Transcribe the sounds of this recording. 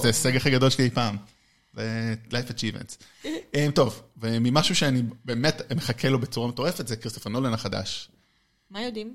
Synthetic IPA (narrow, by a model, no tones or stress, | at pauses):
zeseɡaχiɡad̪o̞lʃeliejpaːm | velajfat͡ʃivḛnts | ʔemto̞vvemimaʃuʃeanibeːmetmeχakʰelobe̞t͡suʁameto̞ʁe̞fe̞t̪zekʁist̪ofanolenaχada̰ʃ | majod̪im